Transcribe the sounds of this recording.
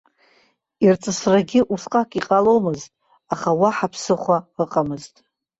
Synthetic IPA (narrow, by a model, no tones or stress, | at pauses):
irt͡sʼɨsraɡʲɪʔusqʼakʼiqʼalomɨztʼ | aχawaħapʰsɨχʷarəqʼamɨztʼ